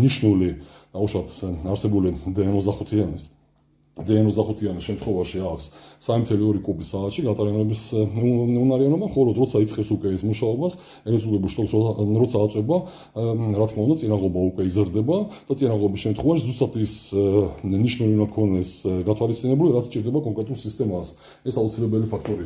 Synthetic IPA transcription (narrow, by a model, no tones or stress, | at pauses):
niʃnuliauʃwat̪ʰaɾsɛbulid̪ɛanɔzd̪aχut̪ʰianis | d̪ɛanɔzd̪aχut̪ʰianisʃɛmt̪ʰχwɔvaʃiakʰsːamimt̪ʰɛliɔɾikʼubisaːt̪ʃiɡat̪ʼaɾianɔbis | ɛunaɾianɔbamχɔlɔd̪ɾɔt̪sʰait̪sʼqʼɛpsukʼwɛismuʃaɔbas | ɛɾɛt̪sʼulɛbulʃt̪ʼɔsɾɔt̪sʰaːt̪sʼwɛba | ɾat̪ʰkʰmaund̪at̪ʼinaʁɔbaukʼwɛizɾd̪ɛbad̪̥at̪sʼinaʁɔbisʃɛmt̪χwɔvaʃizust̪ʼat̪ʰis | niʃnulinakʰɔnɛsɡat̪ʰwalist̪sʼinɛbuliɾat̪sʰt͡ʃʼiɾd̪ɛbakʼɔŋkʼɾɛt̪ʼulˠsist̪ʼɛmas | ɛsaut̪sʰilɛbɛlipʰakʰt̪ʼɔɾi